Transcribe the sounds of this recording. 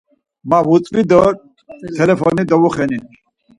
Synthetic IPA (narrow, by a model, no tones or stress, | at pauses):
mavut͡sʼvid̪ɔɾ | t̪ʰɛlɛpʰɔnid̪ɔvuχɛni